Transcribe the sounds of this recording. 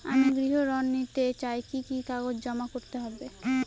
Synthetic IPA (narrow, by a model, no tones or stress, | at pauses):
a̰miɡɾiɦoɾɔnːit̪et͡ɕaekikikaɡod͡ʑd͡ʑɔmakoɾt̪eɦɔbe